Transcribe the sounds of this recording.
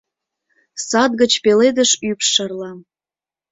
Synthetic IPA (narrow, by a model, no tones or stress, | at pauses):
sɑd̪̚ɡə̆t͡ɕpeled̪əʃypʃɑrlɑ